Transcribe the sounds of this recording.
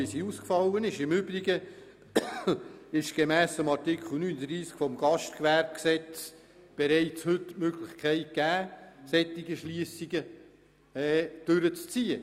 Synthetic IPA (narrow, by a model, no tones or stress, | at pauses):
ɪsiuːskfɑlːənɪʃɪmʏb̥ɾiɡə | ɪʃɡ̥emæːsəmɑɾtɪkʰχl̩ˠnyːnəd̪ɾiːskfɔmɡ̥ɑʃtkʋæɾb̚ksɛt͡s | b̥ɛɾɛɪt͡shʏtmøɡ̥lɪχkʰæɪt̚ɡ̥æːsɛt̪ːiɡəʃliəsiɡə | ɛːd̥ʏɾət͡st͡siːə